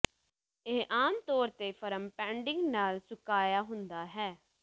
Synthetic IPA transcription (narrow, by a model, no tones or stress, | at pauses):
ɪʔaːmt̪ɔːɾt̪eːpʰəɾəmpɛ̃ːɳɖɪ̃ŋɡnaːlsʊkaːjaːɦʊnd̪aːɦɛː